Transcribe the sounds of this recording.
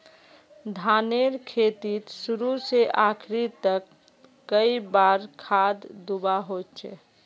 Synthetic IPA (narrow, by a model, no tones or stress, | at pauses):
d̪ʱaneɾkʰet̪it̪suɾuseʔakʰɾit̪əkː | əibaːɾkʰaːd̪d̪ubaɦot͡ʃʰḛ